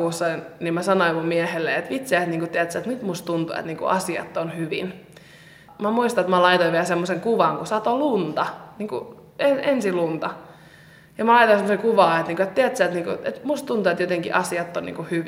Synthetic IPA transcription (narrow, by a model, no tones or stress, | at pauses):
uːsːɑinnimmæsɑnoimummiɛhelːḛet̪ʋit̪seæt̪niːŋkut̪iæt̪sæːt̪nyt̪must̪unt̪uḛt̪niːŋkṵʔɑ̰siɑ̰t̪ːonhyʋin | mæmuist̪ɑet̪mɑlɑit̪oiʋeæsemːoseŋkuʋɑŋkusɑt̪olunt̪ɑniːŋku | enensilunt̪ɑ | jɑmɑlɑit̪oisemːosekuʋɑːet̪niːŋkuet̪t̪iæt̪sæːt̪niːŋkuet̪must̪unt̪uet̪jot̪eŋkḭʔɑsiɑt̪ːonnḭŋkuhyʋ